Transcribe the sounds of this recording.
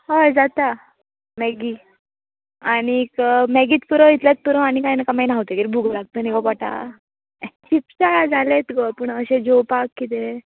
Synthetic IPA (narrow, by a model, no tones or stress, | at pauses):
ɦojd͡zat̪a | meɡi | añikmɛɡiːt͡s̪puɾəit̪ljat͡s̚puɾə̃añikajnakamajnaɦut̪ekiɾibʱuɡlaɡ̚t̪ənikɔpaʈa̰ | t͡ɕipsaɭad͡zʱalet̪kəpuɳəɕed͡ʑopakːit̪̬e